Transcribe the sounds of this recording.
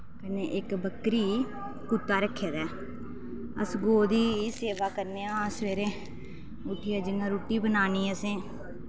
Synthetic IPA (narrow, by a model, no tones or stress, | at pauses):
kəneːʔɪkbəkɾiː | kut̪ːaːɾəkʰːeːd̪ɛː | ə̰sɡoːd̪iːseːʋaːkəɾneːãːəsʋeːɾẽː | ʊʈʰiːɛːd͡ʒəŋɡãːɾuːʈːiːbənaːniːəsẽː